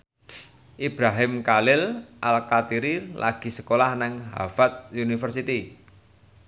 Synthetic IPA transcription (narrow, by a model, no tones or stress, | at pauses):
ʔibɾaɦɪmkalɪlʔalkat̪iɾilʔa̰ɡ̥i̤səkolahnɪŋɦa̰fat̪̚junifərsit̪i